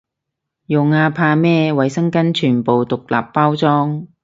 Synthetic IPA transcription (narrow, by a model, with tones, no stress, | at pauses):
jʊ˨ŋaː˧pʰaː˧mɛː˥wɐ˨˧jsɐ˥ŋkɐ˥nt͡ʃʰyː˨˩npo˨wt̪ʊ˨k̚la̰ː˨pːaː˥wt͡sɔː˥ŋ